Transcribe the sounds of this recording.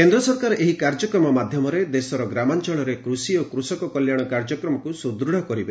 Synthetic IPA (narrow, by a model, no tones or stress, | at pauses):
kend̪ɾɔsɔɾkaɾʔeɦikaɾd͡ʒɔkɾɔmɔmad̪ʱjɔmɔɾed̪esɔɾɔɡɾamant͡ʃɔɭ̃ɔɾekɾusiokɾusɔkɔkɔljaɽ̃ɔkaɾd͡ʒɔkɾɔmɔkusud̪ɾuɽ̤ɔkɔɾibe